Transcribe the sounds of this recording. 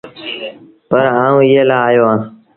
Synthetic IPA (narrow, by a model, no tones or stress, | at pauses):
pəɾaːũːɪɦeːlaːaːjoːãː